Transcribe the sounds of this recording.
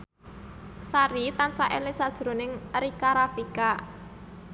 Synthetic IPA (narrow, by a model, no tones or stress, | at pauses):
saɾit̪ansaʔelisad̥ʒ̥ɾo̤nɪŋɾikaɾafika